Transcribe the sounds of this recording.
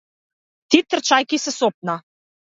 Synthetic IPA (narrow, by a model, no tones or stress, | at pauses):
t̪it̪ːə̆rt͡ɕɑjkisɘ̆sop̚nɑ